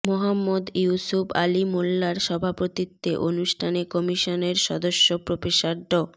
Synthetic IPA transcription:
moɦamːod̪jusufa̰limolːaɾʃɔbʱapot̪it̪ːeʔonuʃʈʰanekɔmiʃoneɾʃɔ̰d̪oʃːopɾofeʃaɾɖɔ

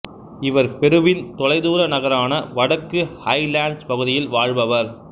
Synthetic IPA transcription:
ɪʋɐɾpɛɾɯʋɪnt̪ɔlɐɪðuːɾɐnɐɣɐɾaːnɐʋɐɽɐkːɯhɐɪlaːɳɖspɐɣɯðɪjɪlʋaːɻbɐʋɐɾ

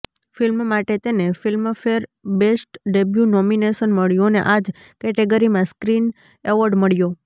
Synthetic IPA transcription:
filmmaʈet̪enefilmfeɾbesʈɖebjunɔmineʃənməɭjõnḛʔad͡ʒ | kɛʈeɡəɾimãskɾin | eʋɔɾɖməɭjo

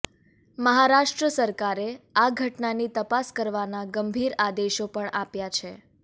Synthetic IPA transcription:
məɦaɾaʃʈɾəsəɾkaɾeaɡʱəʈnanit̪əpaskəɾʋanaɡəmbʱiɾad̪eʃopəɳapjat͡ʃʰe

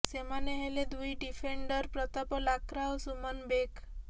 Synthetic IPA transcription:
semaneɦeled̪ujɖifeɳɖəɾpɾɔt̪apɔlakɾawsumənbek

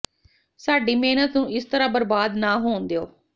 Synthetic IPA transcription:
saːɖiːmeːnət̪nũːɪst̪əɾãːbəɾbaːd̪naːɦoːnd̪eoː

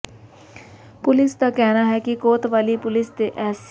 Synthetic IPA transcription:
pʊlɪsk̪akɛɦnaɦɛkikoːt̪ʋaːlipʊlɪst̪eʔɛːs

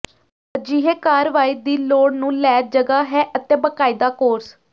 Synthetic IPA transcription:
d͡ʒiːɦeːkaːɾʋaːiːd̪iːloːɽnũːlɛːt̪̚d͡ʒəɡaːɦɛːʔət̪ẽːbəkaːiːd̪aːkoːɾs

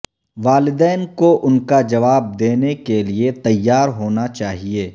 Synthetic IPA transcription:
ʋaːlɪd̪ɛːnkoʔʊnkad͡ʒɐʋaːb̚d̪eːnekeliet̪ɐjːaːɾɦoːnat͡ʃaːɦieː

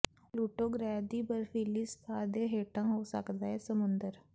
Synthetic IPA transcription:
luːʈoːɡɾɛːd̪iːbəɾfʰiːliːsə̥t̪ʰaːd̪eːɦeːʈãːɦoːsə̰kd̪aːɦɛːsəmʊnd̪əɾ

